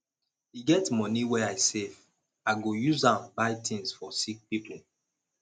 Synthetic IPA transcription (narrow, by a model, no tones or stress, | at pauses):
iɡɛtmɔniwɛaɪsev | aɪɡojuzãmbaɪtʰĩŋsfɔsik̚pipl̩